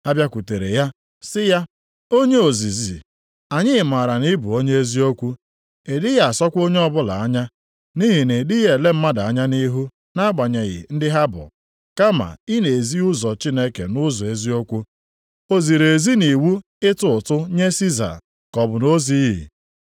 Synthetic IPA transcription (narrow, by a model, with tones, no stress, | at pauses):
a˦bja˦kʷu˨te˨ɾḛ˨ja˦ | sɪ˦ja˦ | o˦ɲe˦o˨zi˨zi˨ | a˨ɲɪ˦ɪ˨ma˨ɾa˨ni˦bu˨o˦ɲe˦e˦zi˦o˦kʷu˦ | e˨dɪ˦ja˦˨a˨sɔ˦kʷo˦ɲe˦ɔ˦bʊ˦la˨a˦ɲa˦ | ni˦ɦi˨ne˨dɪ˦je˨le˦m̩˦ma˦da˨a˦ɲa˦ni˦ɦu˦ | na˦ɡ͡ba˨ɲe˨ɣɪ̰˨n̩˦dɪ˦ɦa˦bʊ̰˨ | ka˦ma̰˨i˦ne˨e˨zi˦ʊ˦zɔ˨t͡ʃi˦ne˦kḛ˨nʊ˦zɔ˨e˦zi˦o˦kʷu˦ | o˦zi˨ɾe˨zi˦ni˨wu˦ | ɪ˦tʊ˦ʊ˨tʊ˦ɲe˦si˦za̰˨ | kɔ˨bʊ˨no˦zi˦ɦḭ˨